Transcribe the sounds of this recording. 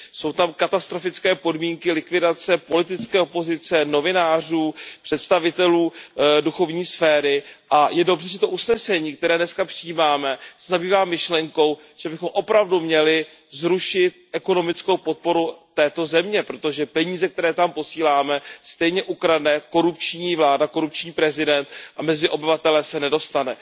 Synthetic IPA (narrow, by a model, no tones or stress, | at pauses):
so̞wt̪amkat̪ast̪ɾo̞fɪt͡skɛːpo̞dmiːŋkɪlɪkvɪdat͡sɛpo̞lɪt̪ɪt͡skɛːopo̞zɪt͡sɛno̞vɪnaːr̝uːpr̝̥ɛt̪st̪avɪt̪ɛluːduxo̞vɲiːsfɛːɾɪʔajɛdo̞br̝ɛʒɛt̪o̞ʔusnɛsɛɲiːk̚t̪ɛɾɛːdnɛskapr̥ɪjiːmaːmɛsɛzabiːvaːmɪʃlɛŋko̞w | ʒ̥ɛbɪxo̞mʔo̞pɾavdumɲɛlɪ | zɾuʃɪt̪̚ʔɛko̞no̞mɪt͡sko̞wpo̞t̪̚po̞ɾut̪ɛːt̪o̞zɛmɲɛpɾo̞t̪o̞ʒɛpɛɲiːzɛk̚t̪ɛɾɛːt̪ampo̞siːlaːmɛst̪ɛjɲɛʔukɾadnɛko̞ɾup̚t͡ʃɲiːvlaːdako̞ɾup̚t͡ʃɲiːpɾɛzɪdɛnt̪ʔamɛzɪʔo̞bɪvat̪ɛlɛsɛnɛdo̞st̪anɛ